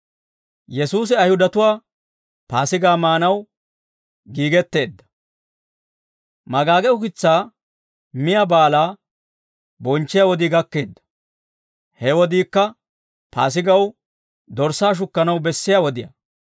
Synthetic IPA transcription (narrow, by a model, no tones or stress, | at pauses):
jɛsuːs̬ɪɐjhʊd̪ɐt̪ʊwaː | paːsɪɡaːmaːnɐw | ɡiːɡɛt̪ːe̞ːd̪ːɐ̥ | mɐɡaːɡɛʊkɪt͡sːaː | mɪjɐbaːlaː | bɔnt͡ʃːɪjɐwɔd̪iɡɐkːe̞ːd̪ːɐ̥ | hɛwɔd̪iːkːɐ | pa̰ːs̬ɪɡɐw | d̪ɔɾsaːʃ̬ʊkːɐnɐwbɛsːɪjɐwɔd̪ɪjɐ̰